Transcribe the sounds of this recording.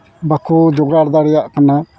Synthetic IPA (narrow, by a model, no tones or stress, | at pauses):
bakud͡ʒɔɡɾaɾd̪aɾɛjaʔkana